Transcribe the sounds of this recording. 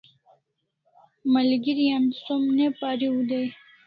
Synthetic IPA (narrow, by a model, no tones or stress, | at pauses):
məlɡiɾijansomnepaːɾiud̪ej